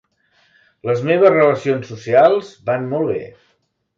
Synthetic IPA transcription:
ləzmeβ̞əzrələsionsːusialˠzbanmɔlˠβḛ

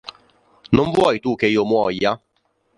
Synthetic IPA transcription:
nʊm̩vʊɔitukeomʊɔja

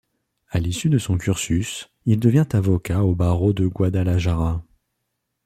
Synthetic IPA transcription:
alisyd̪əsɔ̃kʲyʁsys | ild̪əvjɛ̃t̪avɔkaobaʁod̪əɡwad̪alaʒaʁa

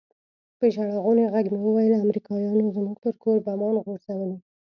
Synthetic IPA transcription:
peʒaɽaɣoneɣaɡmewəwajəlamɾikɑjɑnozəmuɡt̪əɾkoɾbamɑnɣoɾsawəli

